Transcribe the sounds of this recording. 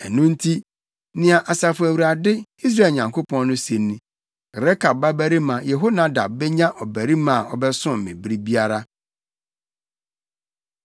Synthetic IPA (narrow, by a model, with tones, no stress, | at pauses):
ɛ˨nũ˦n̩˦tʰi˦ | nɪ̃˦a˨ʔa˨sa˨fʊ˨æ˨wu˨ɾa˨dɪ˦i˦s̬ɾa˦e˨ɲã˨ŋkʰo˦pʰɔ̃˦nnʊ̃˦sẽ˨nːĩ˨ | ɾɛ˦kʰa˨ba˦bæ˦ɾi˦mã˨jɛ˨ɦo˦nã˨da̰˨b̚bɛ˦ɲã˦ʔɔ˨bæ˨ɾi˦mã˦˨ʔɔ̰˨bɛ˦sʊ̃˦m˨mɪ̰̃˨bɾi˦bi˦a˦ɾa˦